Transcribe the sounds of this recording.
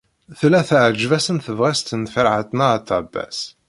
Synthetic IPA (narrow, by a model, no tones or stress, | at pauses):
θlːæθʕəd͡ʒvæsənθəvʁæst̪ənfəɾʕat̪nat̪ːæbːæ̰s